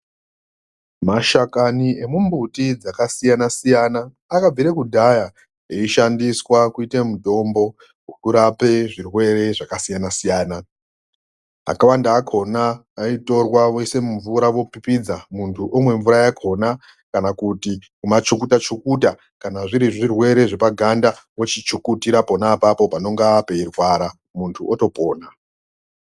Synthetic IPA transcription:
maʃakanie̞mumbutid͡zakasijanasijanaː | kab͡viɾekudʱaja | eiʃandiswakuite̞muto̞ːmbo̞ | ukuɾape̞ʐirwe̞re̞ʐakasijanasijaːna | a̰kawandaːkʰo̞naː | ito̞rwaʋo̞se̞muɱvuɾaʋo̞pipid͡zamuntʰuʔomwe̞ɱvuɾajakʰo̞na | kanakutikumat͡ʃukutat͡ʃukuta | kanaʐiɾiʐirwe̞ɾe̞ʐe̞paɡʱandaʋo̞t͡ʃit͡ʃukutiɾapo̞napapo̞pano̞ŋɡape̞irwaːɾa | muntʰuoto̞po̞ːna

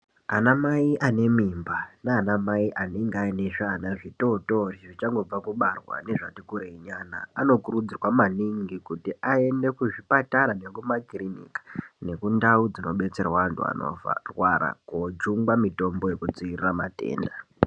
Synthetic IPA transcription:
anamaiʔane̞mimbanaːnamaiʔaneŋɡeaine̞ʐanaʐito̞to̞riʐit͡ʃaŋɡo̞b͡vakuɓarwa̰ne̞ʐatikuɾeiɲana̰ːno̞kurud͡zirwamaniŋɡikutiʔae̞nde̞kuʐipataɾane̞kumakrinḭkḁne̞kundaud͡zino̞ɓe̞t͡se̞rwaantṵa̰no̰fa̰rwaɾa̰kod͡ʒuŋɡamito̞mbo̞je̞kud͡ziirirama̰te̞̰ːnda

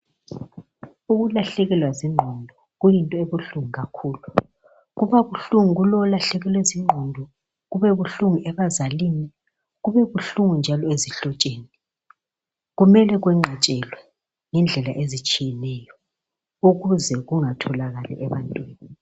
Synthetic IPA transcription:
uɣulaɬɛɣɛlwaziŋ͡ǃʱɔndʱɔ | ɣujintʼɔeβuɬuŋiɣakʰuːlu | ɣuβaβuɬuŋiɣulɔlaɬɛɣɛlweziŋ͡ǃʱɔndʱɔ | ɣuβɛβuɬuŋiʔɛβazaliːni | ɣuβɛβuɬuŋund͡ʒʱalɔeziɬɔt͡ʃʼeːni | ɣumɛlɛɣwɛŋ͡ǃʱɛt͡ʃʼɛlwɛ | ŋɛnd͡ɮʱɛlaʔezit͡ʃʼijɛnɛjɔ | uɣuzɛɣuŋatʰɔlaɣalɛ̰ʔɛβantʼwiːni

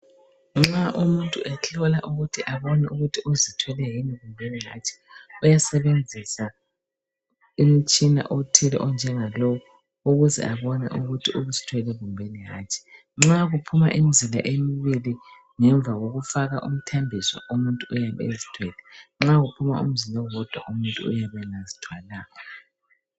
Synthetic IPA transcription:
ŋ͡ǁaʔumuntʼuʔɛɬɔlaʔuɣutʰiʔaβɔnɛuɣutʰiʔuzitʰwɛlɛɦiniβumbʱeniɦa̰t͡ʃʼi̥ujasɛβend͡zʱisa | im̩t͡ʃʼina̰ʔotʰilɛ̰ʔɔnd͡ʒʱɛŋalɔwɔ | uɣuzɛ̰ʔaβɔnɛ̰ʔuɣutʰiuβuzitʰwɛlɛβumbʱeniɦa̰ːt͡ʃʼi̥ | ŋ͡ǁaɣupʰuma̰ʔim̩zila̰ʔemiβili | ŋɛɱb̪vʱaɣoɣufaɣaʔum̩tʰambʱisɔ̰ʔumuntʼuːjaβɛ̰ezitʰwɛlɛŋ͡ǁaɣupʰumaṵm̩zilawɔd̥ʱwa̰ʔumuntʼṵːjaβɛlazitʰwalaːkɔ

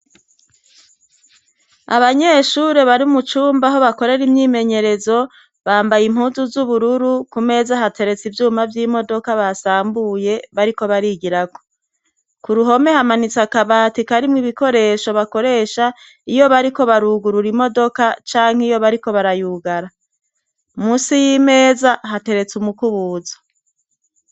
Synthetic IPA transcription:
a̰βaɲe̞ʃuɾe̞βaɾiumut͡ʃuːmbaɦo̞βako̞ɾe̞ɾimɲiːme̞ɲe̞ɾe̞zo̞ | βaːmbajim̥huːnzuzuβuɾuɾukume̞ːzaɦatʰe̞ɾe̞t͡sivjuːmavjiːmo̞do̞kaβasaːmbuje̞βaɾiko̞βaɾiɡiɾaɡo̥ | kuɾuɦo̞me̞hamanit͡sakaβaːtikaɾimŋiβiko̞ɾe̞ːʃo̞βako̞ɾe̞ːʃa | ijo̞βaɾiko̞βaɾuɡuɾuɾimo̞do̞kat͡ʃaːŋ̥hijo̞βaɾiko̞βaɾajuɡaɾa | umuːsijime̞ːzaɦate̞ɾe̞t͡sumukuβuːzḁ

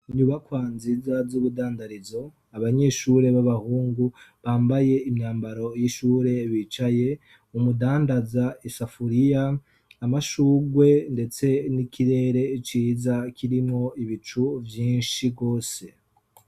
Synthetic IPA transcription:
ɲuβakwaːnzizazuβudaːndaɾizo̞ | aβaɲe̞ʃuɾe̞βaβahuːŋɡuβaːmbaje̞imɲaːmbaɾo̞jiʃuːɾe̞βit͡ʃaje̞ | umudaːndazaisafuɾijaː | maʃuːɡwe̞nde̞t͡se̞nikʰiɾe̞ːɾe̞t͡ʃiːzakʰiɾimo̞iβit͡ʃuvjiːnʃiɡo̞ːse̞

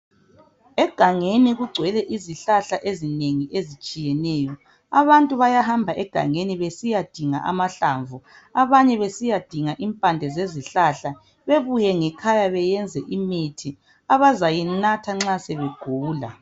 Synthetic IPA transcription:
ɛɡ̥ʱaŋeniɣuɡ͡ǀʱwɛlɛʔiziɬaɬaʔezineŋiʔezit͡ʃʼijɛnɛːjɔ | aβantʼuβajaɦambʱaʔɛɡ̥ʱa̰ŋeniβesijad̥ʱiŋa̰ʔa̰maɬaɱvu | aβaɲɛβesijad̥ʱiŋaʔimpʼandʱɛzeziɬaɬa | βeβujɛŋɛkʰajaβɛjɛnd͡zʱɛʔimitʰi | aβazajinatʰaŋ͡ǁasɛβeɡ̥ʱuːla̰

